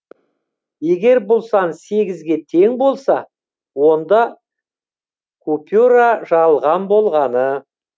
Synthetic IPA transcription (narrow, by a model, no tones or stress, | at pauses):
je̞ɡʲe̞ɾbʊlˠsɑnse̞ɡʲɪzɡʲe̞t̪ʰe̞ŋbo̞lˠsɑ | wo̞nd̪ɑ | kʰupʲuɾaʒɑlˠʁɑnbo̞lˠʁɑnə